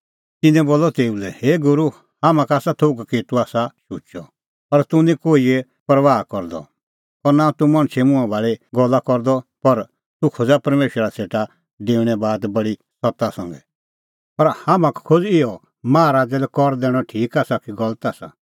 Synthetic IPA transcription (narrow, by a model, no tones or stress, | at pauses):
t̪ɪ̃nɛ̃boːlɔt̪eːulɛheːɡʊɾu | hamãkaːsat̪ʰoɡkit̪uaːsaʃut͡ʃɔ | pɐɾt̪ũnĩkoːiɛ | pɐɾʋaːkɔɾd̪ɔ̰ | pɐɾnat̪ũmɐ̃ɽ̃t͡ʃʰɛmʊ̃ãbʱaːɭeɡɔlːakɔɾd̪ɔpɐɾ | t̪ukʰod͡zapɐɾmeːʃəɾaseːʈa | ɖeːuɽ̃ɛbaːd̪bɐɽi | sɔt̪asɐ̃ŋɡɛ | pɐɾhamãkkʰod͡zɪjɔ | mãːɾaːd͡zɛlɛkɔɾd̪ɛːɽ̃ɔʈʰiːkaːsakiɡɔlət̪aːsa̰